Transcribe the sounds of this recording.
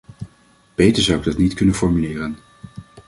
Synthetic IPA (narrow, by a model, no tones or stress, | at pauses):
b̥ejtəɹzʌwɪɡ̚dɑtnitkɵnənfɔɹmylɪːrən